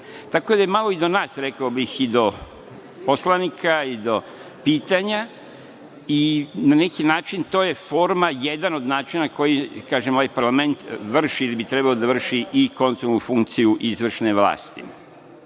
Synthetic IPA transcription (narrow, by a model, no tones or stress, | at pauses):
t̪ako̞d̪ajemalˠo̞id̪o̞naːsɾe̞kaobixid̪o̞ | po̞slˠanikʰaid̪o̞ | piːt̪aɲa | inane̞kinaːt͡ʃint̪o̞ːje̞fo̞ɾmajed̪ano̞d̪naːt͡ʃinako̞jikaːʒemo̞ʋajpaɾlame̞nt̪ʋr̩ʃiilibit̪ɾe̞baod̪aʋr̩ʃiʔiko̞nt̪ɾolnufuŋk̚t̪sijuʔizʋr̩ʃne̞ʋla̰ːst̪ḭ